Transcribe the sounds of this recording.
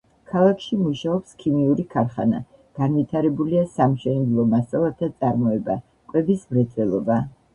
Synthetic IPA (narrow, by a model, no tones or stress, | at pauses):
kʰalˠakʰʃimuʃaɔpskʰimiuɾikʰaɾχa̰na̰ | ɡ̥anvit̪ʰaɾɛbuliasamʃɛnɛd̪lˠɔmasalˠat̪ʰat̪sʼaɾmɔɛba | kʼwɛbismɾɛt̪ʰɛlˠɔ̰ba